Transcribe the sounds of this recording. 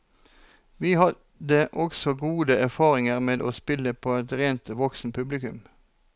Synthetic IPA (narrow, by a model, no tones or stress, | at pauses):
ʋiːhɑ | d̪əʔɔɡsɔɡuːd̪əæʁfɑːʁɪŋəʁmeːd̪ʔo̰ːspɪləpʰoːɛt̪ʁeːnt̪ːʋɔksn̩pʰʉblɪkʉ̰m